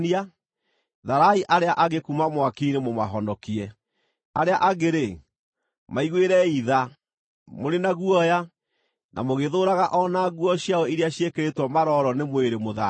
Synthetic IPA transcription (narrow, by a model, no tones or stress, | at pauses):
nia | ðaɾaiʔaɾeaʔaɣekumamwakinemomaɦɔndɔkiɛ | aɾeaʔaɣeɾe | maiɣweɾɛiða | moɾenaɣuɔja | nʔa̰moɣeðoɾaɣaʔɔnaɣuɔɕjaɔiɾeaɕiekeɾetwɔmaɾɔɾɔnemweɾemoða